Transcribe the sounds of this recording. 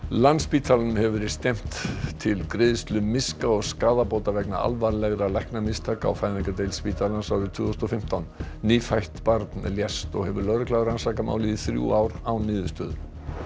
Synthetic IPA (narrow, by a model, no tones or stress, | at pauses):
lanspiːt̪ʰalanʏmhɛvʏɾɪ̥st̪ɛm̥t̪t̪ʰɪlkɾɪːðɪst̪lʏmɪskaɔɣskaːðapoːwt̪avɛkna̰ʔa̰lvaɾlɛɣɾalajhknamɪst̪ʰaːka̰wfajðnɪŋkat̪ejlspiːt̪ʰalansawðʏt̪ʰvʏːθɔsɔfɪm̥t̪awnːiːfajht̪paɾt̪nljɛst̪ɔɣhɛvʏɾlœɾʏkʰlaːɣɾansakama̰ːwliðɪθɾjṵawɾawnɪːðʏst̪œ̰ːðʏ